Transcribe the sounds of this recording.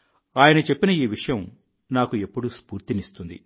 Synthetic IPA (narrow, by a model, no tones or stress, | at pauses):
aːjɐnɐt͡ʃe̞pːinɐiːʋiʂɐjɐm | naːkue̞pːuɽuspuːɾt̪inist̪und̪ḭ